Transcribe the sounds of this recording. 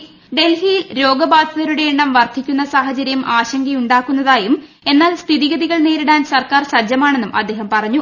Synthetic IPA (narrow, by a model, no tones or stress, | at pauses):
ɖe̞lfijilɾo̞ːɡɐbaːd̪ʱɐðɐɾuɽe̞eɳːɐmʋɐrt̪ʰikʲːunːɐsaːɦɐt͡ɕɐɾjɐmʔaːɕɐŋɡɐjuɳɖaːkːunːɐðaːjum | e̞nːaːlst̪ʰiðiɣɐðiɣɐɭne̞ːɾiɽaːnsɐrkaːrsɐd͡ʑɐmaːɳe̞nːumʔɐ̰d̪ːe̞ːɦɐmpɐrɐɲːu